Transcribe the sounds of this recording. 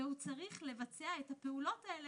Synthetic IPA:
ehut͡saʁiχle̞vat͡seae̞thape̞ulo̞tael

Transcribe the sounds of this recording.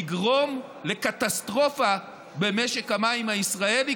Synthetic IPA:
ɡʁo̞mle̞kat̪astʁo̞fa | be̞meʃe̞khamaimhaisʁae̞li

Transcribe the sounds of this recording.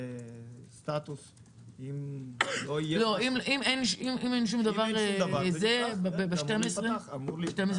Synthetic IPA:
st̪at̪us | imloloimʔimɛjnʃimimejnʃ̬umd̪avaʁvazɛbbebeʃtɛmɛsʁeamuɾʃtɛmes

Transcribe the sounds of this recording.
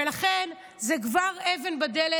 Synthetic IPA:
elaχen | zekvaʁeve̞nbad̪ele

